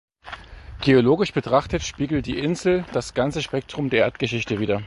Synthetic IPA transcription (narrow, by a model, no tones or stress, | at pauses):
ɡ̥eoloːɡɪʃb̥ətʁ̥aχtətʃpiːɡl̩t̚d̥ḭːʔɪnzl̩d̥asɡ̥ant͡səʃpɛk̚tʁ̥ʊmdeːɐʔeːɐt̚ɡ̥əʃɪçtəviːdɐ